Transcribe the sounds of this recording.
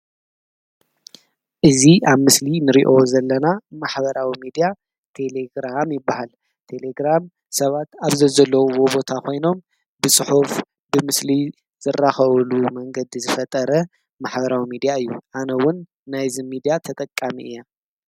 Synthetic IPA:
ʔɨziʔaβmɨslinɨɾiʔo̞zɐlːɐnamaħbɐɾawimid̪ija | t̪ʰe̞le̞ɡɾamjɪbːahal | t̪ʰe̞le̞ɡɾam | sɐβat̪aβzɐzɐlːɐwuwobo̞t̪ʰakʰo̞jno̞m | bɨsʼɨħuf | bɨmɨsli | z̥ɨrːaxɐβlumɐŋɡɐd̪izɨfɐt̪ʼɐɾɐ | maħbɐɾawimid̪ijaɨjːuʔanɐwʊnː | ajzɨmid̪ijat̪ʰɐt̪ʼɐkʼːamiʔɨja

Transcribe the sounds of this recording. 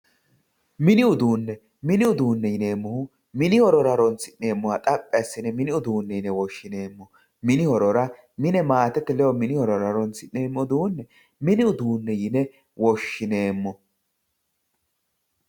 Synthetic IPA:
mɪnɪʊd̪uːnːɛ | mɪnɪʊd̪uːnːɛjɪneːmːɔhʊ | mɪnɪhɔɾɔɾɐɾɔnt͡sɪnneːmːɔhɐt̪ʼɐpʼːɛɐsːɪnɛmɪnɪʊd̪uːnːɛjɪnɛwɔʃːɪne̞ːmːɔ | mɪnɪhɔɾɔɾɐ | mɪnɛmaːt̪ɛt̪ːɛlɛwɔmɪnɪhɔɾɔɾɐɾɔnt͡sːɪnːeːmːɔd̪uːnːɛ | mɪnɪʊd̪uːnːɛjɪnɛ | wɔʃːɪne̞ːmːɔ

